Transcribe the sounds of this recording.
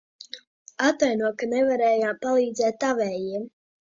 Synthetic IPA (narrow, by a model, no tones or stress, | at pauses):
at̪ajnuɔkanɛvaɾɛːjaːmpalˠiːd̪zɛːt̪avɛːjiɛm